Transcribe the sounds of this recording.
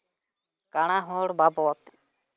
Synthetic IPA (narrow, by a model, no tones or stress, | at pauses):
kaɽ̃aɦɔɽbabɔt̪